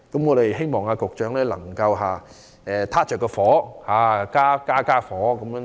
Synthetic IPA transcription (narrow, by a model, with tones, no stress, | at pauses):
kɐ˨˦˥mŋɔː˨˧ɾe˨˩jɦe˥jmɔː˨˩ŋaː˧kʊ˨k̚t͡ʃœː˨˥ŋlɛː˥lɐ̰˨˩ŋkɐ˧wɦaː˨ | ɛ˨t̪ʰaː˥t͡ʃœː˨kːɔ˧fɔː˨˥haː˨˩kaː˥kaː˥kaː˥fɔː˨˥kɐ˨˦m˥